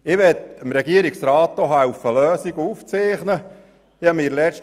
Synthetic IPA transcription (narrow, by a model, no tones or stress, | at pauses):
ɪʋɛt̪əmɾɛɡiəɾiksɾɑːtdoɦɑufəløːsiɡuːft͡seːχnə | ɪɑmiːɾlɛʃt